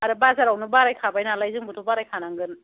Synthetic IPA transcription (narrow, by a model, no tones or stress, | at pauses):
aɾɯbazaɾawnɯbaɾajkʰabajnalajzɯŋbutʰɔbaɾajkʰanaŋɡɯn